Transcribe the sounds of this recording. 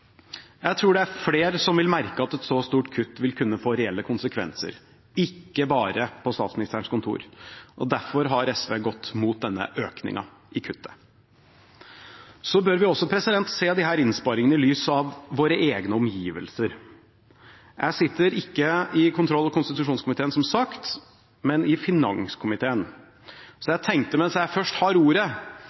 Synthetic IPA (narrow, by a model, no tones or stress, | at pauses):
jæɪt̪ʰɾuːɖɛæɾfleːɾsɔmʋɪlmæɾkəɑt̪ɛt̪sɔst̪uːʈkʰʉt̪ːʋɪlkʰʉnːəfoːɾɛɛlːəkʰʊnsəkʰʋɛ̰nsə̰ɾ | ɪkːəbɑːɾəpʰɔst̪ɑːt̪smɪnɪst̪æːɳ̩skʊnt̪ʰṵːɾʔɔ̰d̪æɾfɔɾɦɑɾɛsʋeːɡɔt̪ːmuːt̪̚d̪ɛnːə̰ʔøːknɪ̰ŋɑ̰ | ʔɪkʰʉt̪ːə̥ | sɔbøːɾʋɪɔsːɔpʰɾɛsɪd̪ɛnt̪seːd̪ɪɦæːɾɪnspɑɾɪŋənəɪlyːsɑʋːoːɾəʔeːɡnəɔmjiːʋə̰lsəɾ | jʔæɪsɪt̪ːəɾɪkːəɪkʰʊnt̪ʰɾɔlːɑɔkʰʊnst̪ɪt̪ʉʂuːnskʰʊmɪt̪ʰeːənsɔmsɑkt̪ | mɛnɪfɪnɑ̰ŋskʰʊmɪt̪ʰeːən | sɔjæɪt̪ʰɛŋk̚t̪əmɛnsjæɪfœʂʈhɑɾuːɾə